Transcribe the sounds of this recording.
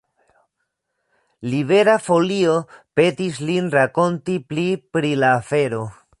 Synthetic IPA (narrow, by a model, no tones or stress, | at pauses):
libe̞ɾafo̞lio̞pe̞tislinɾako̞ntiplipɾilaːfe̞ɾo̞